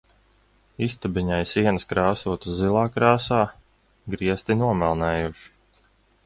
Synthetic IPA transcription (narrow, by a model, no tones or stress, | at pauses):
ist̪abiɲajsiɛnəskɾaːsuɔt̪ɨszilˠaːkɾaːsaː | ɡɾiɛst̪inuɔmɛlˠnɛːjuʃi̥